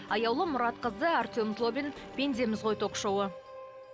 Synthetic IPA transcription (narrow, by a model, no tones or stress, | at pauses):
ɑjɑwlˠəmʊɾɑt̪qəzd̪əart̪ʲomzlˠobʲin | pʲe̞nd̪ʲemɪzʁojt̪ʰo̞qʃowə